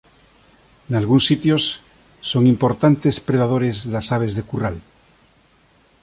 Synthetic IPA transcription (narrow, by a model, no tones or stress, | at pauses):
nalɣunsːit̪josː | oŋĩmpoɾt̪ant̪espɾeðaðoɾezðasaβ̞ezðekural